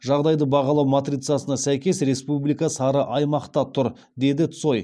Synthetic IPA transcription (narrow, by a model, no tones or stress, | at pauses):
ʒɑʁd̪ɑjd̪əbɑʁɑlˠɑwmat̪rit̪sɨɑsənɑsæjkʲe̞sɾe̞spublijkɑsɑɾəʔɑjmɑqt̪ɑt̪ʰʊɾ | d̪e̞d̪ɪt̪so̞j